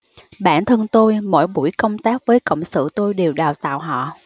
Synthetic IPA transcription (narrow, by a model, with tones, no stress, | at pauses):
ɓa̰ː˧˩˨nt̪ʰə˧nt̪o˧jmɔ̰˧˥jɓu˧˩jkə˧wŋ͡mt̪aː˦˥k̚vəː˨˦jkə̰˧˨wŋ͡msɨ̰˧˨t̪o˧jɗe˨˩wɗaː˨˩wt̪a̰ː˧˨wɦɔ̰˧˨